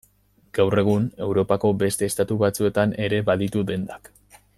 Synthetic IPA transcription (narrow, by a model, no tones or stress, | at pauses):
ɡ̥awre̞ɣ̞une̞wɾo̞pako̞be̞st̪e̞ːst̪at̪uβat͡sue̞t̪ane̞ɾe̞βaðit̪uðe̞nd̪ak